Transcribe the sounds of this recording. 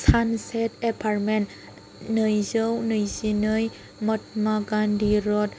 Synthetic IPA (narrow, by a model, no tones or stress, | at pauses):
sansetepʰarmen | nɯjzɯwnɯjzinɯj | mɔt̚maɡandiɾɔt̚